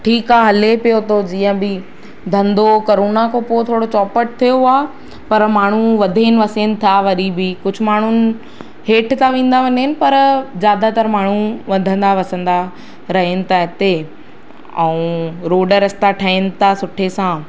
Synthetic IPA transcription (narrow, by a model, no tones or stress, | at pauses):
ʈʰiːkaːɦɐlepijot̪ʰod͡ʑiːə̃bɪ | d̪ʱɐ̃nd̪okɐɾoːnakʰopoːt̪ʰoːɽot͡ɕɔːpəʈ̚t̪ʰijoaːɦ | pɐɾmaːɳ̤uʋɐd̪ʱenɪ̆ʋɐsenɪ̆t̪ʰaʋɐɗibikʊd͡ʑʱʊ̆maːɳ̤ʊnɪ̆ | ɦeːʈʰt̪ʰaʋẽːnd̪aʋɐɲeɪnɪ̆pɐɾzjaːd̪at̪ɐɾmaːɳ̤uʋɐd̪ʱə̃nd̪aʋɐsə̃nd̪a | ɾɐɦenɪ̆t̪ʰaɦɪt̪e | ɛ̃ũːɾoːɖəɾɐst̪aʈʰəːɪnɪ̆t̪ʰasʊʈʰesã